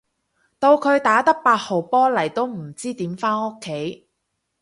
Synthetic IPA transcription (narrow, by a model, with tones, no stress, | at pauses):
t̪o˧wkʰɵ˨˧ɥt̪aː˨˥t̪ɐ˥k̚paː˧t̚ho˨wpɔː˥lɐ˨˩jt̪o˥wm̩˨˩t͡siː˥t̪iː˨˥mfaː˥no˥kʰːe˨˥j